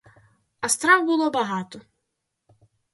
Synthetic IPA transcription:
ɐst̪ɾawbɨlˠɔbaɦat̪ɔ

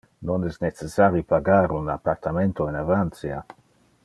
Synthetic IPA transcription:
nonɛsnet͡sesaɾjupaɡaɾuna̰part̪ament̪oenavant̪sja̰

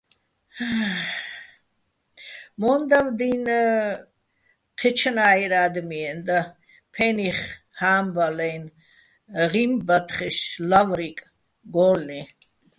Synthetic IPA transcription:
mɔnd̪avd̪in | qʰɛt͡ʃʰnaːjɾaːd̪miɛnd̪a | pʰɛniχ | haːmbalɛjn | ʁimbat̪χiʃlavɾikʼ | ɡɔːlni

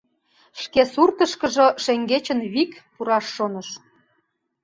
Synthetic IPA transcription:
ʃkesurt̪ə̆ʃkə̆ʒŏʃeŋɡet͡ɕənβikpuɾɑʃːonəʃ

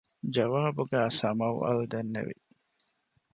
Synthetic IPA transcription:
d͡ʒɐʋaːbuɡæːsɐmɐwɐ̰lud̪enːḛʋḭ

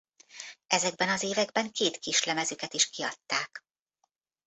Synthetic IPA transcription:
ɛzɛɡ̚bɛnɒzeːvɛɡbɛŋkeːt̪kiʃlɛmɛzykɛt̪iʃkiɒt̪ːaːk

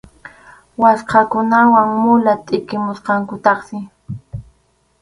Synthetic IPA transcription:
wasqɑkʊnawaŋmʊlat̪ʼɪkɪmʊsqɑŋkʊt̪ɑχsɪ

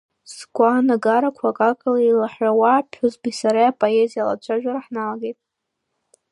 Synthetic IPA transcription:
sɡʷʼanaɡaɾakʷʰakʼakʼalailaħawapʰʊzbisaɾajapʼoezijala̰t͡ʃʷʰaʒᶣaɾaħnalaɡejtʼ

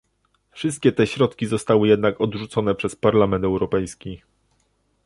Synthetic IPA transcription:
fʂɘst̪̚kʲɛt̪ɛɕɾɔt̪kʲizɔst̪awɘjɛd̪nakɔd̪ʐut̪sɔnɛpʂɛspaɾlamɛnt̪ɛwɾɔpɛjskʲi

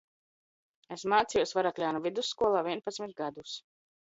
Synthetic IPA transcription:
esmaːt̪sijɔsvaɾak̪lʲaːnuvid̪usːkuɔlˠaːviɛnpat̪smit̪̚ɡad̪us

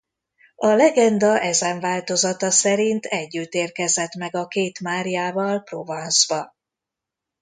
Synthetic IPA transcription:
ɒlɛɡɛnd̪ɒʔɛzɛɱvaːlt̪o̞zɒt̪ɒsɛɾint̪ʰɛɟːyt̪ːeːrkɛzɛt̪mɛɡɒkeːt̪maːɾijaːvɒlpro̞vɒnzbɒ

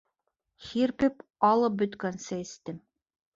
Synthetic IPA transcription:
xiɾpɘpɑlˠɤp̚bɵ̆t̪kænsɘist̪ɘm

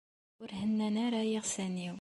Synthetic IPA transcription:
ʊɾhənːænæɾæjiʁsæniw

